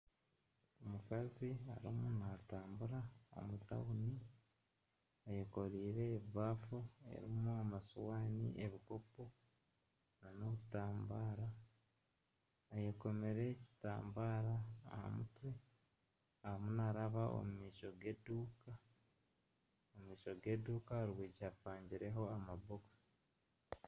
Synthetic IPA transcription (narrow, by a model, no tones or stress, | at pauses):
omukaziaɾimunataːmbuɾao̰muta̰wuni | ajeko̞ɾiːɾe̞ːβafue̞̰ɾimuamasuwaːnḭʔeβiko̞po̞ | nano̞βutaːmbaːɾa | jeko̞me̞ɾe̞ci̥taːmbaːɾaːha̰mṵtwe̞ | ahamunaɾaβao̰mumiːʃo̞ɡeduːka | omiːʃo̞ɡe̞ːduːkaɾwiːɟafaːɲɟiɾe̞ɦo̞amaboksi̥